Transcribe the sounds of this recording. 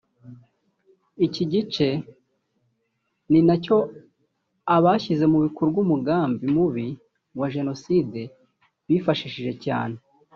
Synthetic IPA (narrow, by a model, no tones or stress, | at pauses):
iciɟit͡ʃe̞ | ninaco̞ | aβaçize̞muβikoɾubɡumuɡaːmbimuβi | waʒe̞no̞side̞ | βiːfaʃiʃiʒe̞ca̰ːne̞